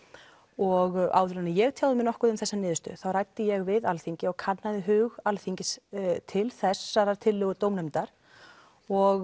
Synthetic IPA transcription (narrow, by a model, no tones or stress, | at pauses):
ɔɣa̰ːwvʏɾanɪjɛɣt̪ʰjaːwðɪmɪnɔhkʏðʏmθɛsːanɪːðʏst̪ʏ̰θawrajt̪ːɪjɛɣvɪðalθiɲcɪɔɣkʰat̪naðɪɦʏːɣalθiɲcɪst̪ʰɪlθɛsːaɾat̪ʰɪlːʏːɣʏɾt̪oːwmnɛmt̪aɾ̥ | ɔɣ